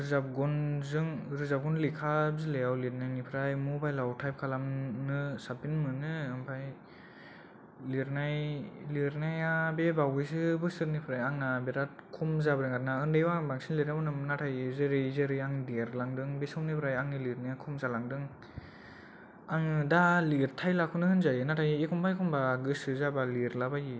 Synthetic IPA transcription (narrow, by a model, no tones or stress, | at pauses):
ɾɯzap̚ɡɔnzɯŋɾɯzap̚ɡɔnlikʰabzɯlejawliɾnajnipʰɾajmɔbajlawtʰajp̚kʰalamnɯsapinmɯnɯɯmpʰaj | liɾnajliɾnajabebawɯjs̬ɯbɯsɯɾnipʰɾajaŋnabeɾat̚kʰumzabɯɾɯŋɡat̚naɯndɯjwabaŋsinliɾamɔnɯmnatʰajɯzɯɾɯjzɯɾɯjaŋdiɾlaŋdɯŋbesɯwnipʰɾajaŋnɯliɾnɯjakʰumzalaŋdɯŋ | aŋɯdaliɾtʰajlakʰunɯhɯnzajɯnatʰajiekʰɔmpʰajkʰɔmbaɡɯsɯzabaliɾlabaji